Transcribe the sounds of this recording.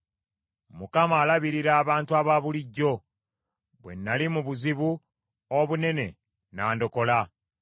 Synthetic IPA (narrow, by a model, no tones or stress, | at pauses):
mukamaːlaβiɾiɾaːβaːntuaβaβuliɟːo̞ | βwe̞̰nːalimuβuziβu | oβune̞ne̞ | naːndo̞ko̞la